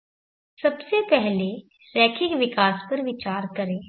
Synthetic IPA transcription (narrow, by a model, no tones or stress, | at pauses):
sɐbsepɛɦle | ɾɛːkʰɪkʋɪkaːspɐɾʋɪt͡ʃaːɾkɐɾẽː